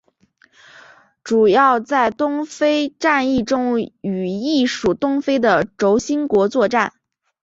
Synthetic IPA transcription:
ʈ͡ʂu˨˩jɑ˥˧ʊt͡sa˥˩ɪt̪ʊ˥ŋfe˥ɪʈ͡ʂa˥˧ni˥˩ʈ͡ʂʊ˥ŋy˨˩i˥˩ʂu˨˩t̪ʊ˥ŋfe˥ɪd̪ə˨ʈ͡ʂo˧˥ʊɕi˥nkwɔ˧˥t͡swɔ˥˧ʈ͡ʂa̰˥˩n

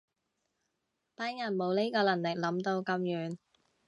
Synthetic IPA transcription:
paː˥nŋɐ˨˩nmo˨˧wni˥kɔː˧lɐ˨˩ŋlɪ˨k̚lɐ˨˥mt̪o˧wkɐ˧mjyː˨˧n

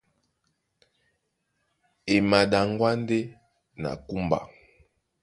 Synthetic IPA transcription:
e˨ma˨ɗa˨ŋɡwa˦n˦de˦ | na̰˨ku˦mba̰˨

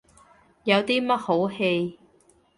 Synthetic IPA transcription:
jɐ˨˧wt̪iː˥mɐ˥t̚ho˨˥whe˧j

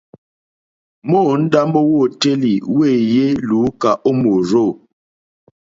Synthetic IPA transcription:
moː˦˨n̩˦da˦mbo˦wo˦˨te˦li˨we˦˨je˦luː˨˦ka˨ʔo˦mo˨ɾo˦˨

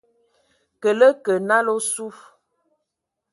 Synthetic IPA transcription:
kə˨lə˦kə˨na˦lo˦su˦f

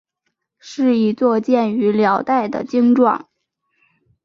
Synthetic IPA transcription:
ʂɻ̩˥˧i˥˩t͡swɔ˥˧t͡ɕjɛ˥˩ny˧˥ljɑ˨˩ʊt̪a˥˩ɪd̪ə̰˩t͡ɕi˥ŋʈ͡ʂwɑ̰˥˩ŋ

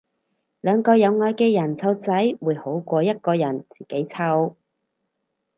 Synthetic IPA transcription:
lœː˨˧ŋkɔː˧jɐ˨˧wŋɔː˧jkɛː˧jɐ˨˩nt͡sʰɐ˧wt͡sɐ˨˥jwuː˨˧jho˨˥wkʷɔː˧jɐ˥t̚kɔː˧jɐ˨˩nt͡siː˨ke˨˥jt͡sʰɐ˧w

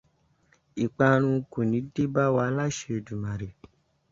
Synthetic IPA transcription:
i˨k͡pã˧ɾ̃ũ˧ko˨nĩ˨˦de˦ba˦wa˧˦la˦ʃe˧˨du˨mã˨ɾe˨

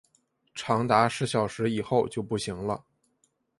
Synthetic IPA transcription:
ʈ͡ʂʰɑ˧˥ŋt̪a˧˥ʂɻ̩˧˥ɕjɑ˨˩ʊʂɻ̩˧˥i˨˩xo˥˧ʊt͡ɕjo˥˧ʊpu˥˩ɕi˧˥ŋlə̰˧

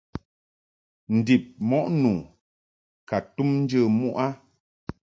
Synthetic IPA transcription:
n̩˨di˨p̚mɔ˦ʔnuː˨ | ka˨tu˦mn̩˦d͡ʒə˦˨mu˦ʔa˦

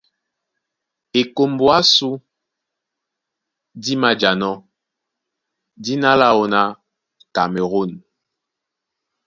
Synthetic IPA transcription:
e˨ko˨mbwa˦su˦ | di˦ma˦d͡ʒa˨nɔ˦ | di˦na˦la˦o˨na˦ | ka˨me˨ɣo˦˨n

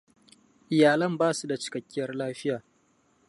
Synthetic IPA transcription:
ʔɪ˨jaː˨lɐ˦mbaː˦su˦da˨t͡ʃɪ̥˦kɐ˨kʲːɪ˦jɐ˦rlaː˦ɸɪ˦jaː˨

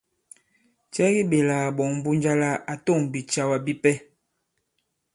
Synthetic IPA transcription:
t͡ʃɛ˦ɣi˦be˨la˨bɔ˨ŋm˨bu˦nd͡ʒa˦la˦ʔa˨to˦˨ŋbi˨t͡ʃa˦wa˨bi˦pɛ˦

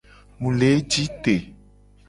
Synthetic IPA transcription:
mũ˨le˨˦d͡ʒi˦t̪e˨

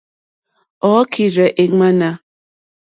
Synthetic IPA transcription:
ɔ˨˦kʰi˨ɾɛ˨ʔe˨ŋa˦na˦

